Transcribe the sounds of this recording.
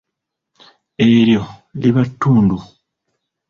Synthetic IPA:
e̞ɾjo̞liβatːuːndu

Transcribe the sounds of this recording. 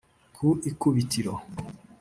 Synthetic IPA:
kʰuʔikuβitiɾo

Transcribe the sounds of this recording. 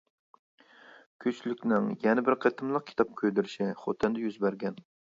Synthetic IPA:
kʲʰøt͡ʃlykʲnɪŋjɛnɪbɪɾqʰet̪ʰɨmlˠəq̚kʰʲi̥t̪ʰɑp̚kʲʰød̪ɪɾɪʃɪχot̪ʰɛnd̪ɛjyzbæɾɡʲɛn

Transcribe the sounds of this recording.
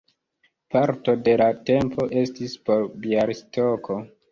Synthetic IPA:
paɾto̞de̞late̞mpʰo̞ʔe̞stispoɾbiaɾistʰoko̞

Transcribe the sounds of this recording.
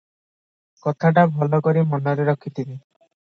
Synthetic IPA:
kɔt̪ʰaʈabʱɔlɔkɔɾimɔnɔɾeɾɔkʰit̪ʰini

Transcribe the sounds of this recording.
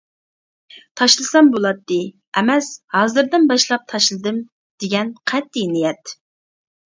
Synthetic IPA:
t̪ʰɑʃlˠɨsɑmbolˠɑt̪ːɨ | ɛmɛshɑːzɨɾd̪ɨnbɑʃlˠɑp̚t̪ʰɑʃlˠɨd̪ɨm | d̪̥eɡʲɛnqʰɛt̪ʰːinijɛt̪

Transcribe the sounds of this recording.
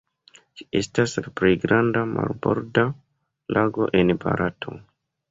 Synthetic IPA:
d͡ʒi̥estaspɾejɡɾandama̰lbo̰ɾda | lʔaɡo̞ʔe̞nba̰ɾʔatʰo̞̰

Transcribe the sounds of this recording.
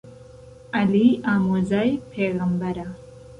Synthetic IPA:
aliaːmuzajpʰeːɣambaɾa

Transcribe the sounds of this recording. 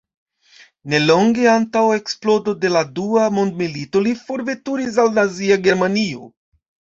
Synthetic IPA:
ne̞lo̞ŋɡe̞antawe̞ksplo̞do̞de̞laduamo̞ndmilito̞lifo̞ɾve̞tuɾis̬alnaziaɡe̞ɾmanio̞̰

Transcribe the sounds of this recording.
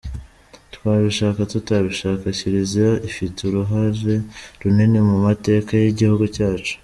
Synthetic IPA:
tkwaːβiʃaːkatutaβiʃaːkaciɾizaifituɾuɦaɾe̞ɾunenemumate̞ːkajiɟihuɡucaːt͡ʃu̥

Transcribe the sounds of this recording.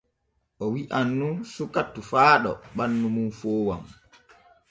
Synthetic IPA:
ʔɔwiʔanːunsukatːufaːɗɔ̰ɓanːumunfoːwa̰m

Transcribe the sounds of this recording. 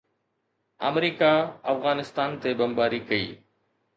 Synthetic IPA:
ə̰mɾiːkaɐfɣaːnɪst̪aːnt̪ebɐmbaːɾiːkɐḭː

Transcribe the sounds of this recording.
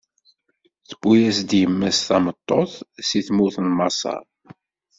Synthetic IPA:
θə̥b̥ːujæsd̪jəmːæsθɑmət̪ˤːoθsiθmuθənmɑsˤɑ̰ɾ

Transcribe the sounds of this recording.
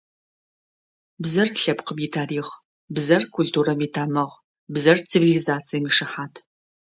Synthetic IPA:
bzɐrɬɐpqəmjitʰaːɾiːχ | bzɐrkʰʷʊltʰuːɾɐmitʰaːmɐʁ | bzɐrt͡sʰivilizaːt͡sʰijmiːʂɨħaːtʰ

